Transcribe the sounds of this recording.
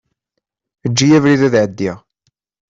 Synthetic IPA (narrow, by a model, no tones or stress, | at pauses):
əd͡ʒːijævɾiðæðʕəd̪ːiʁ